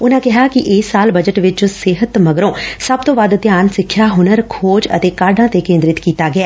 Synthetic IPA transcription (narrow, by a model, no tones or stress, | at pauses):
ʊnãːkɪɦaːkɪʔɪsːaːlbəd͡ʒəʈʋɪt͡ʃsɪɦət̪məɡɾõːsəb̚t̪õːʋaːd̪t̪jaːnsɪkʰːjaːɦʊnəɾkʰoːd͡ʒə̰t̪eːkaːɖãːt̪eːkẽːnd̪ɾɪt̪kiːt̪aːɡɪɛː